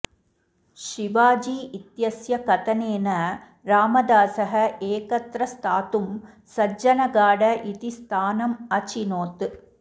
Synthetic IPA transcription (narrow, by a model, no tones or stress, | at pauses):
ʂɪʋaːd͡ʒiʔɪt̪jɐsjɐkɐt̪ɐneːnɐ | ɾaːmɐd̪aːsɐɦɐeːkɐt̪ɾɐst̪ʰaːt̪ɯm | sɐd͡ʒɐnɐɡaːɽɐʔit̪ist̪ʰaːnɐmɐt͡ʃinoːt̪ɯ